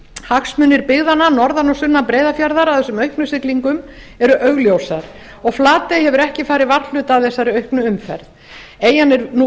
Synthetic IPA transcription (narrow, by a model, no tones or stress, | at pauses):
haksmʏːnːɪɾpɪɣðananɔɾðanɔsʏnːapɾeːjðafjaɾðaɾaθɛsːʏmœɥhpnʏsɪkliŋkʏm | ɛɾʏʔœɣljowsaɾ̥ | ɔɣflaːt̪ejhɛvʏɾɛhcɪfaːɾɪvar̥lʏːt̪awθɛsːaɾɪœɥhknʏʏmfɛɾð | eːjanɛɾnu